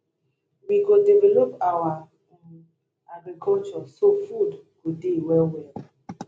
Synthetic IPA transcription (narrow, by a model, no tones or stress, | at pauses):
wikodivɛlopawa | aɡɾikʰɔlt͡ʃɔsofudkudiiwɛwɛl